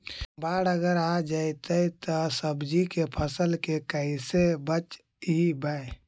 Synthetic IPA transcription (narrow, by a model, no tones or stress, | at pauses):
baɽəɡəɾad͡ʒajt̪əjt̪ɔsəbd͡ʒikepʰəsəlkekəɪsebət͡ʃ | ibae